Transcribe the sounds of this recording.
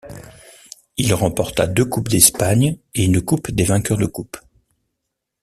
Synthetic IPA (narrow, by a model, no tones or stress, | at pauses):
ilʁɑ̃pɔʁt̪a̰d̪økupd̪ɛspaɲeynkupd̪evɛ̃kʲœʁd̪əkup